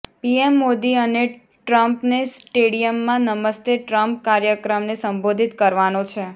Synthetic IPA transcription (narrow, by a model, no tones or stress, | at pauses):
piemːod̪iəne | ʈɾəmpnesʈeɽijəmːãnəməst̪eʈɾəmp̚kaɾjəkɾəmnesəmbod̪ʱit̪kəɾʋanõt͡ʃʰe